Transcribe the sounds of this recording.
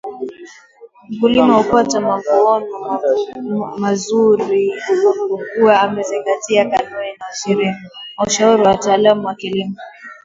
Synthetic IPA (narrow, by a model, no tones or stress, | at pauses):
m̩kulimahukatamavuɔnɔ | mazuɾi | kuwaːmɛziŋɡatiakanuninauʃiɾianauʃauɾiwataːlamuwakilimɔ